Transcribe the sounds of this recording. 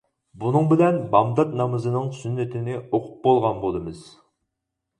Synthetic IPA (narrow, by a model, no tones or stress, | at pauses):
bunɨŋbɪlɛnbɑmd̪ɑt̪nɑmɨzɨnɨŋsynːɪt̪ʰɪnɪoqʰʊp̚bolˠʁɑnbolˠɨmɨz̥